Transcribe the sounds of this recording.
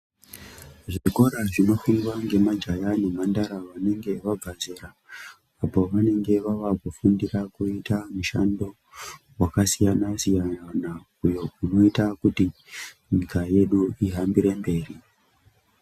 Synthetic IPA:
ʐiko̞ɾaʐino̞funwaŋɡe̞mad͡ʒajane̞mandaɾaʋane̞ŋɡe̞ʋaɡʱazeɾaː | po̞ʋane̞ŋɡe̞ʋaʋakufundirakuitamuʃando̞ | wakasijanasijaana | ujo̞uno̞itakuti | ɲikaje̞ɗuiɦambiɾe̞mbe̞ːri

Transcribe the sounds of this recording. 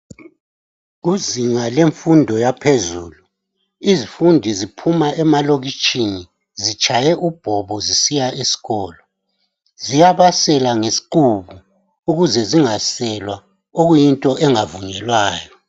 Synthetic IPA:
ɣuziŋaleɱfundʱɔjapʰezuːlu | izifundʱizipʰumaʔɛmaloɣit͡ʃʼini | zit͡ʃʼajɛʔub̥ʱɔβɔzisijaesi̥ɣɔːlɔ | zijaβasɛlaŋesi̥ǃuβu | uɣuzɛziŋasɛlwa | oɣujintʼɔʔɛŋavuɲɛlwaːjɔ

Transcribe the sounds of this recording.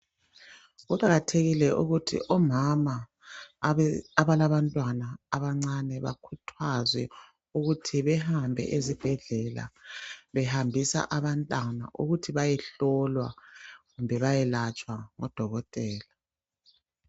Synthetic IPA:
ɣuǃaɣatʰeɣilɛʔuɣutʰḭʔɔmama | aβalaβantʼwanaːβaŋ͡ǀanɛβa̰kʰutʰwazwɛ̰ | uɣutʰiβɛhambʱɛ̰ʔezib̥ʱɛɮɛla̰βɛhambʱisa̰ʔaβantʼana̰ʔuɣutʰiβajɛɬɔlwa̰ɣumbʱɛβajɛlat͡ʃʼwaŋɔ̰d̥ʱɔɣɔtʼɛːla

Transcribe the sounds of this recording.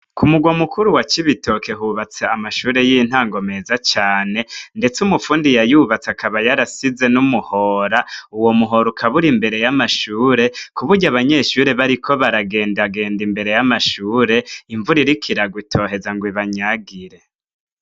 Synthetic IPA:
kʰumuɡwamukuɾuwat͡ʃiβitʰo̞ke̞ɦuβat͡seamaʃuːɾe̞jin̥haːŋɡo̞me̞zat͡ʃaːne̞nde̞t͡sumufuːndijajuβat͡sakʰaβajaɾasize̞numuho̞ːɾauwo̞muɦo̞ɾukʰaβuɾimbe̞ɾe̞jamaʃuːɾe̞kuβuɾɟaβaɲe̞ʃuːɾe̞βaɾikʰo̞βaɾaɡe̞ːndaɡe̞ːndimbe̞ɾe̞jamaʃuːɾe̞iɱvuɾiɾikʰiɾaɡwutʰo̞ːɦe̞zaŋɡwiβaɲaɡiɾe̞

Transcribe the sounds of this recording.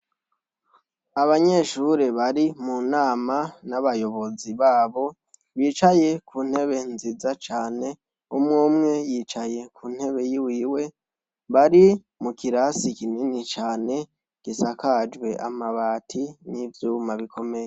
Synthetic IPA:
aβaɲe̞ʃuɾeβaɾimunaːmanaβajo̞βo̞ziβaːβo̞ | βiːt͡ʃaje̞kuːn̥he̞βe̞nzizat͡ʃaːne̞ | umŋoːmŋe̞jiːt͡ʃaje̞kuːn̥he̞βe̞jiwiːwe̞ | βaɾi | mukiɾasikininit͡ʃaːne̞ | ɡ̥isakad͡ʒwe̞ʔamaβaːtʰinivjuːmaβikʰo̞me̞je

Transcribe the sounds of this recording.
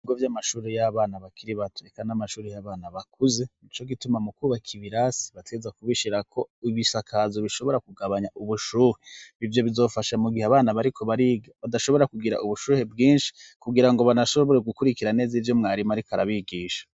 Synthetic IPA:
iɡovjamaʃuːɾejaβaːnaβakʰiɾiβatoekanamaʃuːɾejaβaːnaβakuze̞nit͡ʃo̞ɡitumamukuːβakʰiβiɾasi̥βateɡezakuβiʃiɾakʰo̞iβisakʰazo̞βiʃo̞βo̞ɾakuɡaβaɲaʔuβuʃuːɾeivjo̞βizo̞ːfaʃamuɡiheaβaːnaβaɾikʰo̞βaɾiɡaβadaʃoβo̞ɾakuɡiɾa̰ʔuβuʃuːɾe̞bɡiːnʃi̥kuɡiɾaŋɡo̞βanaʃo̞βo̞ɾe̞ɡukuɾikiɾane̞ːzivjo̞mŋaːɾimaɾikaɾa̰βiɡiːʃḁ

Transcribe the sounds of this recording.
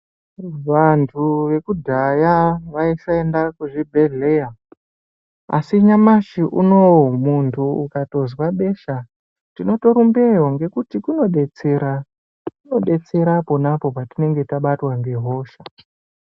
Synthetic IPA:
ʋantʰuʋe̞kudʱajaʋaisae̞ndakuʐibʱe̞ɮe̞ja | a̰siɲamaʃiʔuno̞umuntʰuukato̞zwaɓe̞ʃa | tino̞to̞ɾumbeɦoŋɡe̞kutikuno̞ɗe̞t͡se̞ɾa | kuno̞ɗe̞t͡se̞ɾapo̞napo̞patine̞ŋɡe̞taɓatwaŋɡe̞ɦo̞ːʃa

